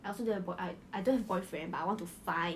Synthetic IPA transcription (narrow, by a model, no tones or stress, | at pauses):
ajɔlsodɛəbɔʔaaɪjdõhɛvəbɔɪfɹɛ̃nbataɪwɔ̃ntufãɪ̃